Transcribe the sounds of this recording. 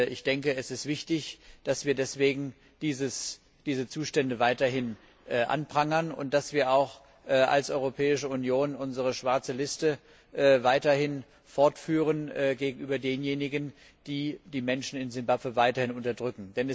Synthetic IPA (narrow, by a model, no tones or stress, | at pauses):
ʔɪ̰çd̥ɛŋkəɛsɪstv̥ɪçtɪçd̥asv̥iːɐdɛsv̥eːɡŋ̩ | d̥iːzəs | d̥iːzət͡suːʃtɛndəvaɪtɐɦɪn | ʔːʔa̰npʁ̥aŋɐnʊ̰nt̚d̥asv̥iːɐaʊx | ʔʔa̰lsʔɔʏʁopʰɛːɪʃəʊnjoːnʔʊnzəʁəʃv̥aɐt͡səlɪstə | ʔːvaɪtɐhɪn | fɔɐtfyːʁ̞ənːɡeːɡŋ̩ʔyːbɐdeːnjeːnɪɡən | d̥iːd̥iːmɛnʃn̩ɪnzɪmbapvəvaɪtɐhɪnʊntɐdʁʏkŋ̩d̥ɛnɛ